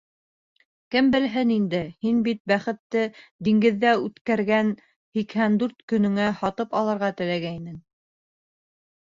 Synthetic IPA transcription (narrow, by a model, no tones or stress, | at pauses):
kɘmbɘ̆lɦɘnind̪ɘhinbit̪̚bæχɘ̆t̪ːɘd̪iŋɡɘ̆ðːæʉt̪kæɾɡæn | hikhænd̪ʉɾt̪kɵ̆nɵ̆ŋæhɑt̪ɤpɑlˠɤ̆ɾʁɑt̪ɘ̆læɡæjnɘŋ